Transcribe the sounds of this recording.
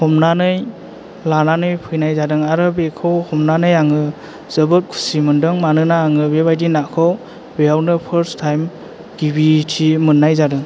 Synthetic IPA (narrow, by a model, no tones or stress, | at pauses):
hɔmnanɯj | lananɯjpʰɯjnajzadɯŋaɾɯbekʰɔwhɔmnanɯjaŋɯ | z̥ɯbɯt̚kʰu̥simɯndɯŋmanɯnaːŋɯbebajdinakʰɔw | bejawnɯpʰəɾstʰajm | ɡ̥ibitʰimɯnːajzadɯŋ